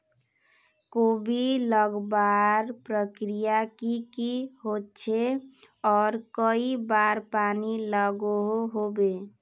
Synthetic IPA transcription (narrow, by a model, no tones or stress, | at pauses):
kobʱiləɡbaɾpɾəkɾijakikiɦott͡ʃʰe | ɔːɾkəibaɾpaniləɡoɦoɦobe